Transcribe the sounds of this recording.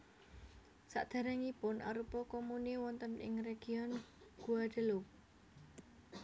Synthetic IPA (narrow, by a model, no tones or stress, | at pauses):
sa̰ʔd̪̥ä̤ɾaŋipʊnʔa̰ɾupɔkɔmuniwɔnt̪ənɪ̰ŋreɡ̥iɔnɡ̥uad̪̥ə̤luk̚